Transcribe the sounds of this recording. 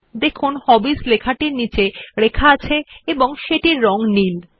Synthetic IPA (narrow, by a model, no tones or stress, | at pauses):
d̪ekʰunhɔbislekʰaʈiɾnit͡ɕeɾekʰaat͡ɕʰeeboŋʃeʈiɾːɔŋnil